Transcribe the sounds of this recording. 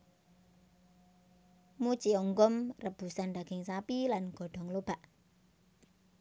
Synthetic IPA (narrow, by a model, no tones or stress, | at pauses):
mu̥t͡ʃiɔŋɡɔmrəb̥ṳsanɖ̪aɡ̥ɪŋsapilanɡ̥ɔ̤ɖ̥ɔ̤ŋlob̥a̤ʔ